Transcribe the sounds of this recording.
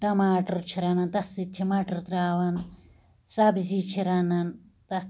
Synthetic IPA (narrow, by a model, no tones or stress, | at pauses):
ʈɐmaːʈɐɾt͡ʃʰiɾɐnɐnt̪ɐsit̪̚t͡ʃʰimaʈɐɾt̪ɾaːʋɐn | sɐbzit͡ʃʰiɾɐnɐn | t̪ɐ